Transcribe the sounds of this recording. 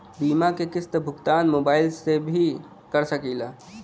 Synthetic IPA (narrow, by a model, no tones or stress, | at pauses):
biːmakekɪst̪əbʱʊɡt̪aːnmoːbaːɪlsebʱi | kəɾsəkiːlaː